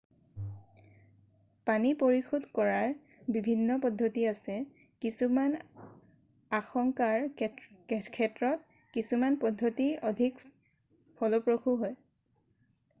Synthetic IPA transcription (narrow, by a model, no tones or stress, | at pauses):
panipoɹixudʱkɔɹaɹ | bibʱinːɔpɔdʱːotiasɛ | kisuman | axɔŋkaɹ | kʰɛtɹɔt̚ | kisumanpɔdʱːotiodʱik | fʰɔlopɹoxuɦoj